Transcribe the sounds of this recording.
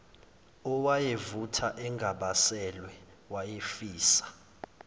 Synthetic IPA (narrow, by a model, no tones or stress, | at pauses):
ɔwajevutʰaʔɛŋɡʱaɓasɛlwɛ | wajefiːsḁ